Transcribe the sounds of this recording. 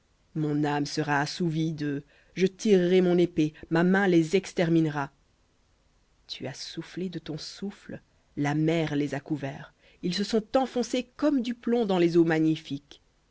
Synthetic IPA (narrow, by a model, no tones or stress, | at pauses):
mɔ̃namsəʁaːsuvid̪ə | ʒət̪iʁːɛmɔ̃nepemamɛ̃lezɛkst̪ɛʁminʁa | t̪ʰyasufled̪ət̪ɔ̃sufl | lamɛʁlezakuvɛːʁ | ilsəsɔ̃t̪ɑ̃fɔ̃sekɔmd̪yplɔ̃d̪ɑ̃lezomaɲifik